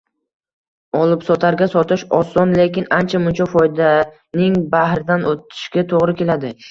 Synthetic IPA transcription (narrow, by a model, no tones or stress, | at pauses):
ɒlˠɪpsɒt̪ʰaɾɡʲasɒt̪ʰɪʃɒsɒnle̞kʲɪnant͡ʃʰamʊnt͡ʃʰɒfɒjd̪a | nɪŋbahɾɪd̪anʔot̪ʰɪ̥ʃɡʲat̪ʰoʁɾɪkʲʰe̞lad̪ɪ